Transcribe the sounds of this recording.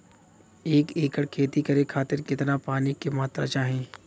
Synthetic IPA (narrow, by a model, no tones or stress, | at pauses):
eːkeːkəɽkʰeːt̪ikɐɾekʰaːt̪ɪɾkɪt̪napaːnikemaːt̪ɾa̰t͡ʃaːɦẽː